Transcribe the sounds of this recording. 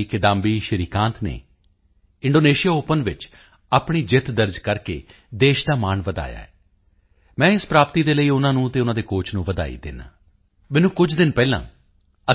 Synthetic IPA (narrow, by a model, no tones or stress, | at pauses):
ikɪd̪ãːmbiːʃəɾiːkãːnt̪ʰnḛː | ɪ̃ɳɖoːneːʃijaːoːpənʋɪt͡ʃ | aːpɳiːd͡ʒɪt̪ʰd̪əɾd͡ʒkəɾkḛː | d̪eːʃd̪aːmaːnʋəd̪a̰ːja̰ːɛː | mɛ̃ːɪspɾaːpt̪iːd̪eːləiːʊnãːnũːt̪eːʊnãːd̪eːkoːt͡ʃʰnũːʋəd̪a̰ːḭːd̪ɪ̰na̰ː | mɛ̃ːnũːkʊd͡ʒd̪ɪnpɛːlã̰ː | ə